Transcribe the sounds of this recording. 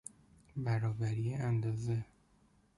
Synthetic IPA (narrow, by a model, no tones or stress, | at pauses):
bæɾɒːbæɾijeænd̪ɒːze